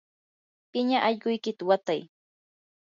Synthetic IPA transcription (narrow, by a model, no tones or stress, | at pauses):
pɪɲaʔaʎkʊjkɪt̪awat̪aj